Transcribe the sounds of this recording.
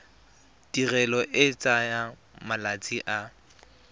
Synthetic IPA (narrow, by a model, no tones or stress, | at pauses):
d̥irɛlɔʔɪt͡sʼaja | malat͡sʼiʔa